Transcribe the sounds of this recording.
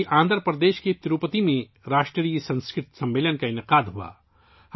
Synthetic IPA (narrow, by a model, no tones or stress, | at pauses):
ʔãːnd̪əɾpɾəd̪eːʃket̪ɪɾuːpət̪imẽ | ɾaːʃʈɾəɾiːjəsɐ̃nskɾɪt̪sɐ̃mʋeːlənkaɪnɪqaːd̪ɦua̰ː | h